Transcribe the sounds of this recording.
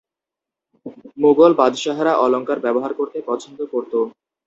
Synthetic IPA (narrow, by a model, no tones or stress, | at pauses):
moɡolbad̪ʱʃaɦaɾaʔɔloŋkaɾbɛboɦaɾkoɾt̪epɔt͡ɕʰond̪okoɾt̪o